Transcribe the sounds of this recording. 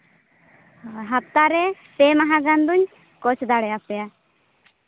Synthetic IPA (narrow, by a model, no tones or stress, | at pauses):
ɦap̚t̪aɾɛ | pemaɦãɡand̪uɲ | kɔt͡ʃʰd̪aɽɛjapɛja